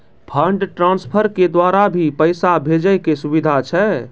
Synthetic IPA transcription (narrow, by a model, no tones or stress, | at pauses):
pʰəɳɖʈɾãnspʰəɾked̪waɾabʱipəɪsabʱed͡ʒəjkesubid̪ʱat͡ʃʰɛ